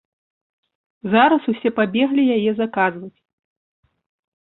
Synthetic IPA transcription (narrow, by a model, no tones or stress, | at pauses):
zaɾɐsusʲɛpabʲɛɣlʲijajɛzakazvɐt͡sʲ